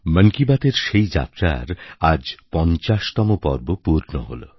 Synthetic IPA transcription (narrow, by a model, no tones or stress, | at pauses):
məŋkibat̪eɾʃejd͡ʑa̰t̪ɾa̰ɾad͡ʑpɔnt͡ɕaʃt̪ɔmopɔ̰ɾbopuɾno̰ɦo̰lo̰